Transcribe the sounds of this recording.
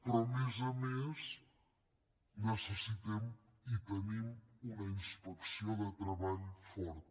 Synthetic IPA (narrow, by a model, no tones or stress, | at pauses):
pɾɔmezəmes | nəsəsit̪ɛm | it̪ənimunəinspəksioðət̪ɾəβaʎfɔɾt̪̚